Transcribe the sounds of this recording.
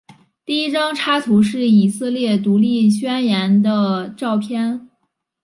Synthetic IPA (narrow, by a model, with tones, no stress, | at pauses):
t̪i˥˩i˥ʈ͡ʂɑ˥ŋʈ͡ʂʰa˥t̪ʰu˧˥ʂɻ̩˥˩i˨˩sɤ˥˧ljɛ˥˩t̪u˧˥li˥˩˧ɕɥɛ˥njɛ˧˥nd̪ə˧ʈ͡ʂɑ˥˩ʊpʰjɛ˥n